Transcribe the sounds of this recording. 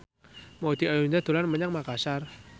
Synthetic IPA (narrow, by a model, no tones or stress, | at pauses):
mod̪̥iajund̪ad̪̥o̤lanməɲaŋmakasar